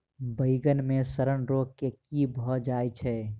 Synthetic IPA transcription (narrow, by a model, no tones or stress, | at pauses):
bəɪɡənmẽsəɾənɾoɡ̚kekibʱəd͡ʒaːjt͡ʃʰɛ